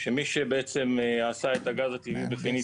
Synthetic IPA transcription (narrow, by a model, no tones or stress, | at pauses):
ʃemiʃebeet͡se̞masaet̪aɡazat̪ivibefini